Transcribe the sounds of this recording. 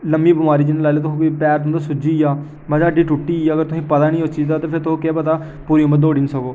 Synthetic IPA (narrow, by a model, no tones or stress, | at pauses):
ləmbiːbɪmaːɾiːd͡ʒɪnːlaːleːt̪ʊõːkipɛːɾt̪ʊ̃nd̪aːsʊd͡ʒiːjaː | məd͡ʒaːɖiːʈʊʈːiːəɡəɾt̪ʊsĩːpət̪aːnĩːʊt͡ʃt͡ʃid̪aːt̪eːpʰɪɾt̪ʰooːkeːpət̪aː | puːɾiːməd̪oːɖɪnsəkoː